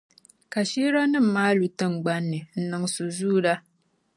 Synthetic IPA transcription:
ka˨ʃiː˦ɾa˦nɨ˦m̩ː˨aː˦lu˨tɨ˦ŋɡ͡ba˦nːɨ˨n̩˨nɨ˨ŋsu˨zuː˦da˦

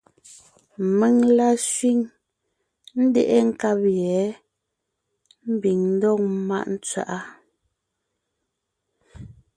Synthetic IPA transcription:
me˦˨ŋla˦ʃɥi˦˨ŋ | n̩˦de˨ʔe˦ŋ̩˦ka˦pjɛ˨˦ | m̩˦bi˨ŋn̩˦dɔ˦˨ŋ̚˦ma̰˦ʔn̩˦t͡sɥa̰˨ʔa˦

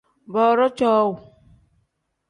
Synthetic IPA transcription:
bɔ˨ɾɔ˦t͡ʃɔ˦wu˨

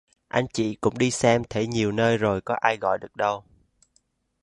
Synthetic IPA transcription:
ʔa˧jŋt͡ɕḭ˧˨kʊ̰˧˥ŋ͡mɗi˧sɛ˧mt̪ʰe˧˦ɲi˨˩əwnəː˧jzo˨˩jkɔ˨˦ʔaː˧jɣɔ̰˧˨jɗɨ˨˩ək̚ɗə˧w

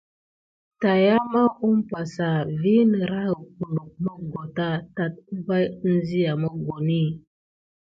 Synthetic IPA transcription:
ta˨ja˦ma˦ʔu˦m˦pa˨sa˨vi˦nə˨ɾa˦ɣə˨ku˨lu˨k̚mə˦ɡo˨ta˦ta˨t̚va˦jn̩˦zi˦ja˨mə˦ɡo˨ni˦˨

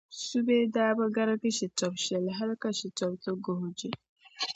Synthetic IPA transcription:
su˦be˦daː˦ba˦ɡa˦ɾa˦ki˦ʃi˨tɔ˨bʃɛ˨lɦa˦lka˨ʃi˨tɔ˨b̚tə˦ɡo˨ɦd͡ʒe˦

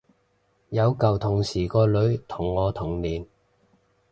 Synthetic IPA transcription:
jɐ˨˧wkɐ˨wt̪ʰʊ˨˩ŋsiː˨˩kɔː˧lɵ˨˧˥ɥt̪ʰʊ˨˩ŋːɔː˨˧t̪ʰʊ˨˩ŋliː˨n

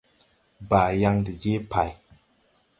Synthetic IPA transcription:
ba˨ja˦ŋdi˨je˦pʰa˨j

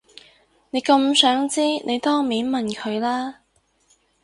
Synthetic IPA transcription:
ne˨˧jkɐ˧msœː˨˥ŋt͡siː˥nʔe˨˧jt̪ɔː˥ŋmiː˨˥nmɐ˨nkʰɵ˨˧ɥlaː˥

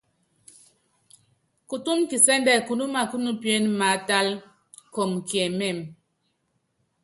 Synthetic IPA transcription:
ku˨tu˦mki˨sɛ˦ndɛ˦˨ku˨nu˦ma˨ku˦nu˦pje˦nma˨ta˦l | ko˨mkjɛ˨mɛ˦˨m

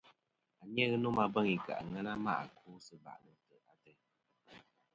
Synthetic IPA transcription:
a˨ɲ˦ɛ˦ɣɨ˦no˦ma˦bə˦ŋi˨ka̰˨ʔŋɛ˦na˦ma̰˦ʔa˨kʰu˦sɨ˨ba̰˨ʔnɨ˨tə˨a˨tɛ˦

